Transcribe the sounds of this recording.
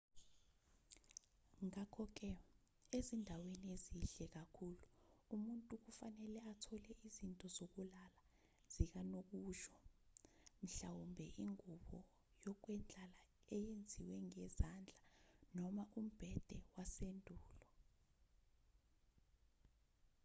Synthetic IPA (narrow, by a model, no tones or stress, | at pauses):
ŋakʰɔk̬ɛ | ezindʱawenieziɬɛk̬akʰuluumuntʼuk̬ufanɛlɛatʰɔlɛizintʼɔzok̬ulala | z̥ik̬anok̬uːʒɔ | m̩ɬawumbʱɛʔiŋuɓɔ | jɔk̬wɛnd͡ɮʱala | ɛjend͡zʱiwɛŋɛzand͡ɮʱanɔmaʔum̩b̥ʱɛd̥ʱɛwasendʱuːlɔ